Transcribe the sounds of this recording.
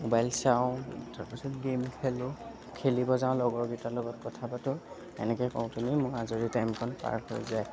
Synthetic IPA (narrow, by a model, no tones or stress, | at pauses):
mobajlsawʊ̃taɹpisɔtɡemkʰelʊ | kʰelibɔzãʊ̃lɔɡɔɹɡitalɔɡɔt̚kɔtʰabatʊ | ɛ̰nɛkɛkɔw̃tumimʊɹazoɹitajmkʰɔnpa̰ɹho̰jzaj